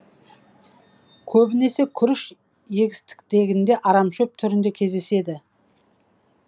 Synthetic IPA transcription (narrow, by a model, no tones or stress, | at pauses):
kʲʰɵbɪne̞se̞kʲʰʏɾɪʃ | je̞ɡʲɪst̪ɪ̥k̚t̪e̞ɡʲɪnd̪e̞ʔɑɾɑmʃɵp̚t̪ʰʏɾɪnd̪e̞kʲʰe̞zd̪ese̞d̪ɪ